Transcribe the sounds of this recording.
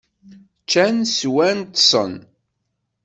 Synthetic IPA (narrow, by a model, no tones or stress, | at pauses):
t͡ʃːænswænt̪sˤə̰n